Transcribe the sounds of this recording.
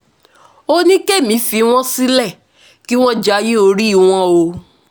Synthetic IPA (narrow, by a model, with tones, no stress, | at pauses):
o˦nĩ˦ke˦˨mĩ˨˦fi˧w̃ɔ̃˦si˦lɛ˦˨ | ki˦w̃ɔ̃˦d͡ʒa˧˦je˦o˧ɾi˦i˦˨w̃ɔ̃˦o˧